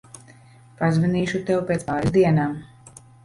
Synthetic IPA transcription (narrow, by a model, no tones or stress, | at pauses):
pazviniːʃut̪ɛwpʲet̪sajzd̪iɛnaːm